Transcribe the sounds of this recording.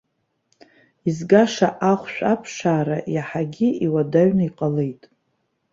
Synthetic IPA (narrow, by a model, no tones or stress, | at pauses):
izɡaʂaʔaχʷʃᶣʷapʰʂaːɾajaħaɡʲiiwadaɥnaiqʼale̞jtʼ